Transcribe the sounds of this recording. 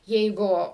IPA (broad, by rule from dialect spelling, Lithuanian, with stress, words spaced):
ˈjɛɪɡʊ